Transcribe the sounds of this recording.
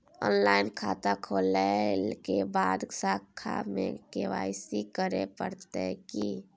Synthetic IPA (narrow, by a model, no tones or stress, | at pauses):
ɔːnlaːɪnkʰaːt̪akʰoləkebaːd̪sakʰa̰mḛ̃keʋa̰ːɪsikəɾepəɾt̪eki